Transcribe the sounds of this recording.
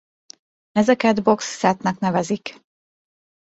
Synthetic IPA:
ɛzɛkɛd̪bo̞ksːɛt̪nɛknɛvɛzik

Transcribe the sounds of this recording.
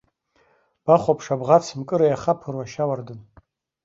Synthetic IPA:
b̥aχʷapʰʂabʁat͡sʰmkʼɨɾajaχapʰɨrwaʃawardɨn

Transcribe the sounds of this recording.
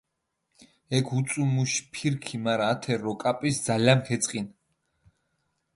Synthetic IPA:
ɛkʰut̪sʼumuʃpʰiɾkʰimaɾaːt̪ʰɛɾɔkʼapʼisd̪zalamkʰɛt̪sʼqʼin

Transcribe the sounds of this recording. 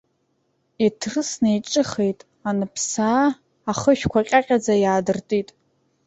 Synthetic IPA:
itʰrɨsnejʈ͡ʂʼɨχejtʼ | anɨpʰsaː | aχəʃᶣkʷaqʲʼaqʲʼad͡zajaːdɨrtʼitʼ

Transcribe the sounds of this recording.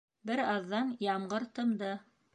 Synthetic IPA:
bɘɾɑðːɑnjɑmɢɤɾt̪ɤ̆md̪ɤ

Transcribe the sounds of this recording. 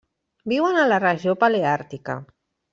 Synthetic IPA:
biwanalaraʒjopaleaɾt̪ika̰

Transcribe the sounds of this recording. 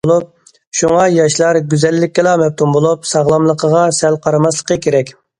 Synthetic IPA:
lˠup̚ | ʃuŋɑjɑʃlˠɑɾɡʲyzɛlːɪkʲːɛlˠɑmɛp̚t̪ʰumbolˠupsɑʁlˠɑmlˠəqʰəʁɑsɛlqʰɑɾɑmɑslˠə̥qəkʲʰeɾɛkʲ

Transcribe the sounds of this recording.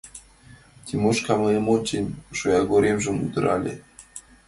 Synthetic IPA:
t̪ʲimoʃkɑmɤemot͡ɕinʲʃojaɡoɾʲemʒɘ̆mṵd̪ɤ̆ɾʔɑlʲḛ

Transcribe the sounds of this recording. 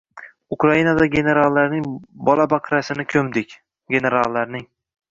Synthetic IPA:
ʊkɾainad̪aɡʲene̞ɾalˠːaɾnɪŋbɒlabaqʰɾasɪnɪkʲʰɵmd̪ɪkʲ | ɡʲe̞ne̞ɾalˠːaɾnɪŋ

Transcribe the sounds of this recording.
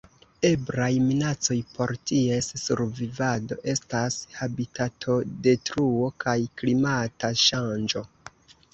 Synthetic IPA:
e̞bɾajminat͡so̞jpo̞ɾtie̞sːṵɾvivado̞̰ʔe̞stashabitʰatʰo̞de̞tɾuo̞kajklimataʃand͡ʒo̞

